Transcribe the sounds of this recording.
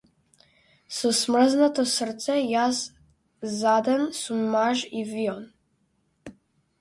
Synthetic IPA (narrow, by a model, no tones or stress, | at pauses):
sɔsmr̩znat̪ɔsrt̪sɛjas | zad̪ɛnsumːaʒiviɔn